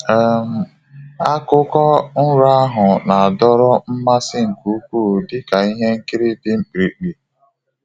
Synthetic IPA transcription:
e˨m̩˨ | a˦kʊ˦kɔ˦n̩˦ɾa˦a˦ɦʊ˨na˨a˨dɔ˦ɾɔ˦m̩˦ma˦sɪ˦ŋ̩˨ku˨˦kʷuː˦˨dɪ˦ka˨i˦ɦe˦ŋ̩˦ki˦ɾi˦dɪ˦ŋ͡m̩˦k͡pɾi˨k͡pi˨

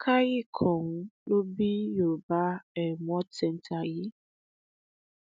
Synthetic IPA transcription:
kʰa˦ɣɪ˦kʰɔ˨ŋ̩˦lo˦bi˦jo˨ba˦e˨mʷ˦ɔ˦tɛ˨n̩˨tʰa˨ɣɪ˦

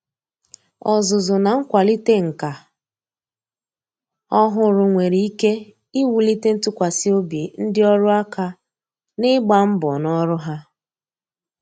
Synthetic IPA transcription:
ɔ˨zʊ˨zʊ˨na˨ŋ̩˦kʷa˨li˦te˦ŋ̩˨ka˨ | ɔ˦ɦʊ˨ɾʊ˨ŋʷe˨ɾi˨i˦ke˦ | i˦wu˨li˦te˦n̩˦tʊ˦kʷa˨si˦o˦bje˨n̩˦dɪ˦ɔ˦ɾʊ˦a˦ka˦ | nɪ˦ɡ͡ba˨m̩˦bɔ˨nɔ˦ɾʊ˦ɦa˦

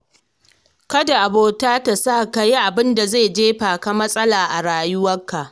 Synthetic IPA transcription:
kɐ˦da˨ʔa˨boː˦taː˦ta˨saː˦˨ka˨ji˦ʔa˨bɪ˦nda˨zeː˦˨d͡ʒeː˦ɸaː˨ka˦mɐ˦sʼɐ˦laː˨ʔa˨ɽaː˨jʊ˦wɐ˦kːa˨ʔ

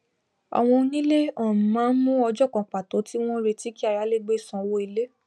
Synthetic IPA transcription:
a̰˧w̃ɔ̃˧nĩ˦le˦ã˨mãː˨˦n̩˦mũ˦ɔ˧d͡ʒɔ˦kɔ̃˨k͡pa˨to˨˦ti˦w̃ɔ̃˦ɾe˧ti˦ki˦a˧˨ja˨˦le˦ɡ͡be˦˨sã˧˦wo˦i˧le˦

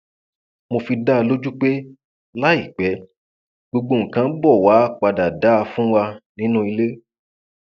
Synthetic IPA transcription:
mo˧fi˧da˦˧lo˦d͡ʒu˦k͡pe˦ | la˦i˦˨k͡pɛ˨˦ | ɡ͡bo˧ɡ͡bo˧˨ŋ̩˨kã˨˦bɔ˦˨wa˨˦˨k͡pa˨da˨da˨˦˧fũ˦wa˧nĩ˨˦nũ˦i˧le˦

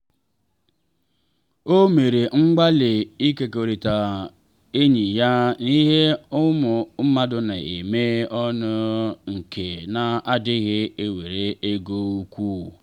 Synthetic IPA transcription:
o˦me˨ɾe˨ŋ͡m̩˦ɡ͡ba˦lɪ˨i˦ke˨ko˨ɾi˨ta˨ | e˦ɲi˨ja˦ni˦ɦe˦ʊ˦mʊ˨m̩˦ma˦dʊ˦na˨ḛ˨me˦ɔ˦nʊ˦ŋ̩˨kʰe˨na˨a˦dɪ˦ɣɪ˦e˦we˨ɾe˦e˦ɡo˦u˦kʷu˦

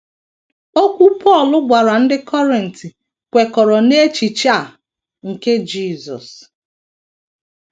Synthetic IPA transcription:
o˦kʷu˦pʰɔ˦˨lʊ˦ɡʷa˨ɾa˨n̩˦dɪ˦kʰɔ˦ɾi˨n̩˨ti˨ | kʷe˨kɔ˨ɾɔ˨ne˦t͡ʃi˨t͡ʃa˦˨ | ŋ̩˨ke˦d͡ʒi˦˨zɔ̰˨s

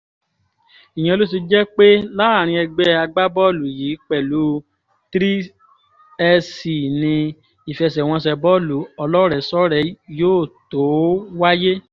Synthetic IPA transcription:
i˨j̃ã˧lo˦t̬i˧d͡ʒɛ˦k͡pe˦la˦˨ɾ̃ĩ˧ɛ˧ɡ͡bɛ˧˦a˧ɡ͡ba˦bɔ˦˨lu˨jiː˨˦k͡pɛ˦˨lu˨˦ | tɾi˦ | ɛ˧si˨nĩ˧ | i˨fɛ˧s̬ɛ˨w̃ɔ̃˧s̬ɛ˧bɔ˦lu˨ɔ˧lɔ˦ɾɛ˨sɔ˦ɾɛ˨˧joː˦˨to˨˦wa˦je˦

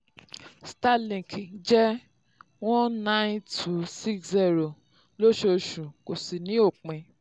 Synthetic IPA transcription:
sta˦˨lĩ˨ki˨d͡ʒɛ˦ | wɔ̃˦nã˦ntʰu˨si˦ksi˦˨ɾo˨ | lo˦ʃo˧ʃũ˨ko˨si˨nĩ˨˦o˦˨k͡pɛ̃˧

